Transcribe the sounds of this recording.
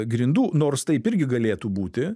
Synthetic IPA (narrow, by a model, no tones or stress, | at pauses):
ɡɾʲɪnd̪uːnoːrst̪ɐɪpɪɾʲɡʲɪɡɐlʲeːt̪uːbuːt̪ʲɪ